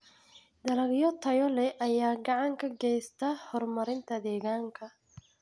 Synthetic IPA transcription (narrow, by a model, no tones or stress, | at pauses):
d̪ɐlɐɣjɔt̪ʰɐjɔlɛʔɐjaːɡɑʕɑŋkʰɐɡɛːst̪ʰɐhɔrmɐɾɪnt̪ʰɐd̪ɛːɣaːŋkʰɐ